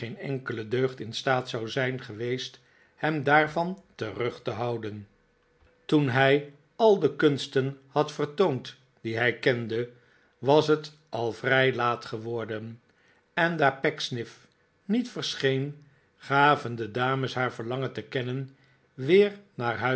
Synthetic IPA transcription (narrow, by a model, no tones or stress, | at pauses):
ejnɛŋkələdøɥχtɪnstaːtsɑwzɛjnχəʋejst | hɛmdaːɹvɑntərɵχtəɦɑwdən | tunɦɛj | ɑlˠdəkɵnstənhɑtfərtownt | d̥iɦɛjkɛndə | ʋɑsɦət | ʔɑlˠvrɛjlaːtχəʋɔɹdən | ɛndaːɹpɛksnɪf | nitfəɹsχejn | χaːvəndədaːməsɦaːɹvəɹlɑŋəntəkɛnən | ʋɪːɹnaːɹɦœ